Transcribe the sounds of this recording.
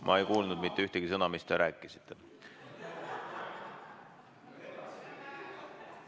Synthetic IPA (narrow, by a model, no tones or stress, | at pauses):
mʔɑ̰e̞jkuːlnud̪mit̪ːyht̪eɡ̥is̬ɤnɑmist̪e̞ɾæːkːˑisi̥t̪ːe